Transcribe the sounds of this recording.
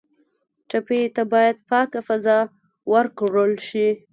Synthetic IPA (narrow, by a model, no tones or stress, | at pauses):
ʈapet̪abɑjad̪pɑkafazɑ | wəɾkɽəlʃi